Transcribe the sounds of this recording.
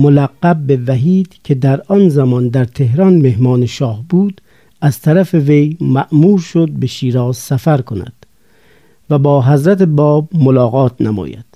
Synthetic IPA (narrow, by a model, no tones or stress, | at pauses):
molæɡːæbːevæɦiːd̪̥kʲʰe̞d̪æɾɒnzæmɒːnd̪æɾt̪ʰe̞hɾɒnmehmɒːneʃɒːhbuːd̪ | æz̥t̪ʰæɾæfeve̞jmæʔmuːɾʃod̪̚be̞ʃiːɾɒːzsæfæɾkʰonæ̰d̪̥ | væbɒːɦæzɾæt̪ebɒːbmolɒːɣɒːt̪ʰnæmɒ̰ːjæ̰d̪̥